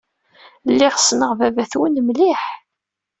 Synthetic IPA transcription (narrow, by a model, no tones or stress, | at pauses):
lːɪʁsnəʁvævæθwənmliħ